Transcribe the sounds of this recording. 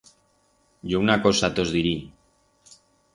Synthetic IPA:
ɟ͡ʝounakosat̪o̞zðiɾi

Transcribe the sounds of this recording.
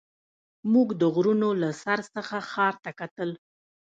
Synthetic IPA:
muɡd̪əɣɾunolasaɾsəxaxɑɾt̪akat̪əl

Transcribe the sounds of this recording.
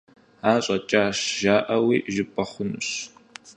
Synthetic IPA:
aːɕʼɐt͡ʃʼaːʃʒaːʔɐwiːʒɪpʼɐχʷʊnɨ̰ɕ

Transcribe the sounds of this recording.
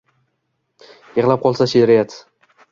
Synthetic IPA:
jeʁlˠap̚qʰɒlˠsaʃeɾɪjat̪

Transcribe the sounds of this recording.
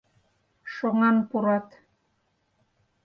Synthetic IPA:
ʃoŋɑnpuɾɑt̪

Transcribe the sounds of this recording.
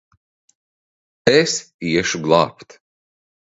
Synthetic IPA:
es | iɛʃuɡlˠɑ̰ːpt̪

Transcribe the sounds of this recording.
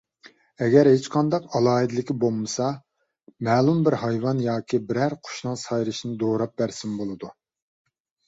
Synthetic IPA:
ɛɡʲɛɾɦet͡ʃqʰɑnd̪ɑqɑlˠɑːɦɨd̪ɪlɪkʲibolˠmɨsɑ | mɛːlˠumbɪɾhɑjwɑnjɑːkʲibɪɾæɾqʰʊ̥ʃnɨŋsɑjɾɨʃinɨd̪oɾɑp̚bæɾsɪmbolˠɨd̪u

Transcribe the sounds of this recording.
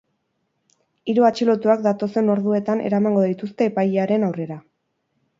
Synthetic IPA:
iɾuat͡ʃilo̞t̪uak̚d̪at̪o̞se̞no̞ɾðue̞t̪anʔe̞̰ɾamaŋɡo̞ðit̪ust̪e̞ːpajeaɾe̞nawre̞ɾa

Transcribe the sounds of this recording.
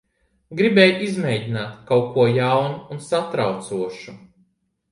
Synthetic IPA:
ɡɾibɛːjizmʲɛjɟinaːt̪kawkuɔjawnuːnsat̪ɾawt̪suɔʃu

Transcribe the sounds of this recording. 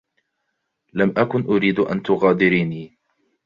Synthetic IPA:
lamʔakʊnʔʊɾiːd̪ʔa̰nt̪ʊɣaːd̪ɪɾiːniː

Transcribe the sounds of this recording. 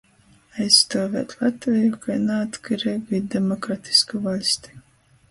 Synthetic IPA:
ajsːt̪oːvɛ̰ːt̪lˠat̪vɛjukajnaat̪kɨɾɛɡid̪ɛmɔkɾat̪ʰi̥skuvalʲst̪i̥

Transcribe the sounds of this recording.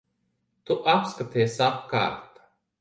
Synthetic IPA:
t̪uʔapskat̪iɛsapka̰ːɾt̪ḁ

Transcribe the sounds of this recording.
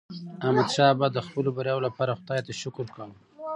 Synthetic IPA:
amad̪ʃɑbad̪əxpəlobaɾjɑjolapɑɾaxʊd̪ɑjt̪aʃʊkɾkawəm

